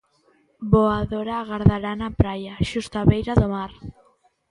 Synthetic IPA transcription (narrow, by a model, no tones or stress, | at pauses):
boaðoɾaːɣaɾðaɾanapɾajaʃust̪oaβejɾaðomaɾ